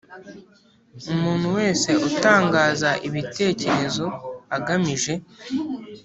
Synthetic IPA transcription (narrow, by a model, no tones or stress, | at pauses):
umuːn̤̥huwe̞ːse̞utaːŋɡaːzaʔiβite̞ːce̞ɾe̞zo̞aɡamiʒe̞